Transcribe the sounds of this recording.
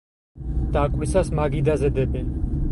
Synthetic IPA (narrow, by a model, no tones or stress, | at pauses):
d̪̥akʼwisasmaɡid̪azɛd̪ɛbɛn